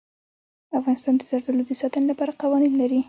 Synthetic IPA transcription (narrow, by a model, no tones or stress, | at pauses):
afɣɑnɪst̪ɑnd̪əzaɾd̪əlod̪əsɑt̪ənlapɑɾaqawɑninlaɾi